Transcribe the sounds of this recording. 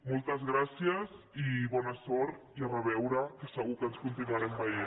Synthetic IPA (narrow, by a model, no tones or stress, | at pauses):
mɔlˠt̪əzɣɾasiəz | iβɔnəsɔɾt̪ | iərəβɛwɾəkəsəɣukənskunt̪inuaɾɛmbəje